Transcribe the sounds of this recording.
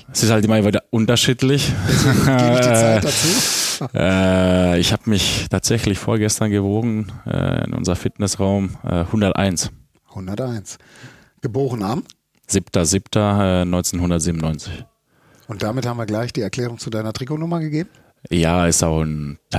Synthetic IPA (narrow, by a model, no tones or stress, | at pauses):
ɛsɪsthaltʔɪmɐviviːdɐʔʊntɐʃiːtlɪç | d̥at͡suːʔɛːɪçhaːbəmɪçtʰaːtz̥ɛçlɪçfoːɐɡɛstɐnɡəvoːʁn̩ʔɛ̰ːɪ̰nʔʊ̰nzəʁɐfɪtnɛsʁaʊmʔɛ̰ːhʊndɐtʔa̰ɪns | hʊndɐtʔaɪns | ɡ̥əboːʁənam | z̥ɪptɐzɪptʰɐɛːnɔʏnt͡seːnhʊndɐtz̥iːbmnɔʏnt͡sɪ̥ç | ʊnt̚d̥amɪthaːm̩viːɐɡlaɪçd̥iːɛɐkʰl̥ɛːʁʊŋt͡sudaɪnɐtʁ̥ikonʊmɐɡəɡeːb̚m̩ | jaːɪstaʊxntʰ